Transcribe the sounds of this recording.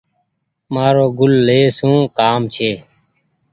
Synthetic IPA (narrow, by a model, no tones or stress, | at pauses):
maːɾoːɡʊlːeːsũːkaːmt͡ʃʰeː